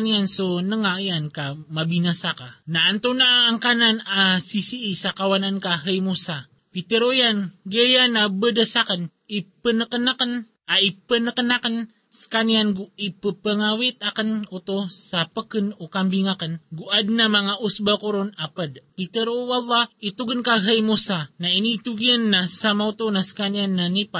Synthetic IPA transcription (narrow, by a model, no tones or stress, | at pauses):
niansonəŋaiankamabinasakanaːnt̪onaʔaːŋkananasisiːsakawanankaɦəjmusa | pit̪əɾojanɡəjanabədəsakən | ipənəkənakən | aipənəkənakən | sə̥kanianɡuipəpəŋawit̪akənot̪osapəkənokambiŋakənɡuʔadnamaŋaʔusbakuɾunapədpit̪əɾowalːɑit̪uɡənkaɦəjmusanainit̪uɡiənːasamaut̪onasə̥kanianːanipa